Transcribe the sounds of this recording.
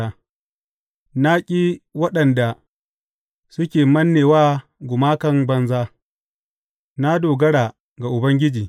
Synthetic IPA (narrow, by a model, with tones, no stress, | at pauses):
a˦ | na˦kʲʼiː˦wɐ˦ɗɐ˨nda˨ | sʊ˦kʲeː˨mɐ˦nːeː˨waː˦ɡʷʊ˨maː˦kɐ˦mbɐ˦nzaː˦ | na˦doː˨ɡɐ˦ɽaː˨ | ɡa˨ʔʊ˨bɐ˦ŋɡʲɪ˦d͡ʒiː˨